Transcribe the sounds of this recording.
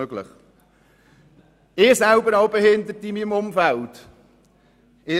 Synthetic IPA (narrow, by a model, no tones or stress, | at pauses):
øɡlə̰χ | ɪːsælbəɾɑʊbehɪnd̪əɾtimimʊmfælt | ɪː